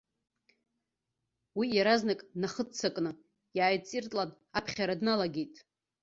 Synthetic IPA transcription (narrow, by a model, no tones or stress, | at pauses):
wijaɾaznakʼnaχət͡sʰakʼnɨ | jaːjt͡sʼirtʼlan | apʰχʲaɾadnalaɡʲejtʼ